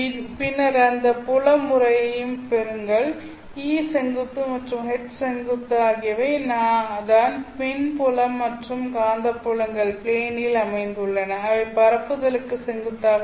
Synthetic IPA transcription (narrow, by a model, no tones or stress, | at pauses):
pɪnːɐɾɐnd̪ɐpʊɭɐmːʊrɐjɐjɯmpɛɾɯŋɡɐɭ | iːsɛŋɡɯt̪ːɯmɐʈrɯmɦɛt͡ʃːsɛŋɡɯt̪ːaːɣɪjɐʋɐːnaːðaːnpɛnpʊlɐmːɐʈrɯmkaːnd̪ɐpːʊɭɐŋɡɐɭpɭeːnɪlɐmɐɪnd̪ɯɭːɐnɐɐʋɐɪpɐɾɐpːɯðɐlɯkːɯsɛŋɡɯt̪ːaːʋɐ